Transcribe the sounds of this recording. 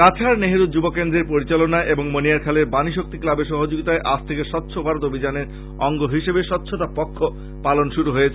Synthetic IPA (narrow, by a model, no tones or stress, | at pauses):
kat͡ɕʰaɾneɦeɾud̪̚d͡ʑubokend̪ɾeɾpoɾit͡ɕalonaʔeboŋmoniaɾkʰaleɾbaniʃok̚t̪iklabeʃɔɦod͡ʑoɡit̪aeʔasʰt̪ʰekeʃɔt̪ːɕʰobʱaɾot̪obʱid͡ʑaneɾ | ɔŋɡoɦiʃebeʃɔtːɕʰot̪apɔkʰːo | palonʃuɾuɦoet͡ɕʰe